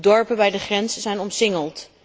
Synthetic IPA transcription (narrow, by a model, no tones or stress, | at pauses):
dɔɹpəbɛjdəχrɛnzəzɛjnɔmsɪŋəlˠt